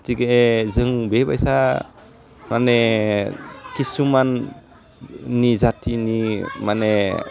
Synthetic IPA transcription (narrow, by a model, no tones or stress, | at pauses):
tiɡezɯŋbebajsa | mane | kisuman | izatinimane